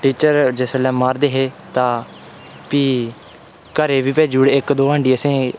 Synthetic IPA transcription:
ʈiːt͡ʃəɾd͡ʒeːsəlɛ̃ːmaːɾd̪eːɦeː | t̪ãː | piː | kəɾeːʋiːpɛːd͡ʒuːɽɪkd̪oːəːɳɖiːəsẽː

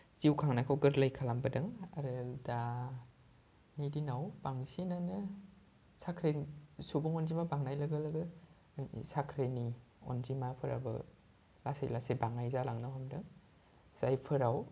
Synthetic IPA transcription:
z̥iwkʰaŋnakʰawɡɯɾlajkʰalambadɯŋa̰ɾɯda | nidinawbaŋsinanɯ | sakʰɾesubuŋɔnzimabaŋnajlɐɡɐlɐɡɯ | jnḭsakʰɾeni | ɔ̰nzimapʰɯɾa̰bɯ̰ | lasḛlasebaŋajzalaŋnawɦamdɯŋ | z̥ajpʰɯɾaw

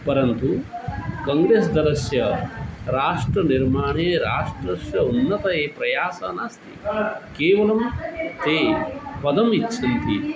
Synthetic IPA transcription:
pɐɾɐnt̪u | kɐŋɡɾeːsd̪ɐɾɐsjɐɾaːʂʈɾɐniɾmaːɳeːɾaːʂʈɾɐʃjɐunːɐt̪ɐjeːpɾɐjaːsɐ̰ːnaːst̪ikeːʋɐlɐmt̪eːpɐd̪ɐmit͡ʃːʃʰɐnt̪ʰi

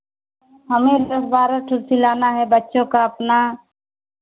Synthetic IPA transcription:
ɦəmẽd̪əsbaːɾəʈʰʊɾsilaːnaɦɛbətːʃõkaəpna

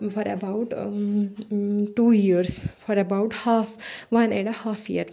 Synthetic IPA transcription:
fɔɾɛbaʊʈ | ʈuːjiəɾsfɔɾebaʊʈhaːfʋɐ̃nɛ̃ɳɖəhaːfʰjḭəɾ

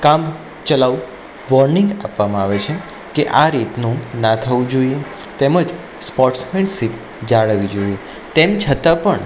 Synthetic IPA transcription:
kam | t͡ʃəlaʋu | ʋɔɾnĩŋɡapʋamãaʋet͡ʃʰe | keʔaɾit̪nũnat̪ʰəʋũd͡ʒoie | t̪eməd͡ʒ | spɔɾʈsmensip | d͡ʒaɭəʋid͡ʒoie | t̪emt͡ʃʰət̪apəɳ

